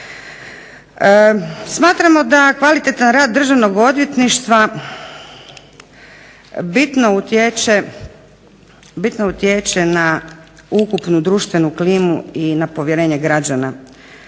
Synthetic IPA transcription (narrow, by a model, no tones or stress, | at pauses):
smaːt̪ɾamo̞d̪akʋalit̪et̪anɾaːd̪ːr̩ʒaʋno̞ɡo̞d̪ʋjet̪niʃt̪ʋa | bit̪no̞ut̪jet͡ʃe | bit̪nout̪jet͡ʃena | ukupnud̪ɾuːʃt̪ʋe̞nukliːmuinapo̞ʋjeɾe̞ːɲe̞ɡɾad͡ʑana